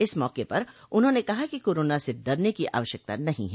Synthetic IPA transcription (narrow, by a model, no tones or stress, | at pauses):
ɪsmɔːkepɐɾʊnɦõnekɐɦakikoːɾoːnaseɖɐɾnekiʔa̰ːʋəʃjək̚t̪a̰nɐɦḭ̃ɦɛː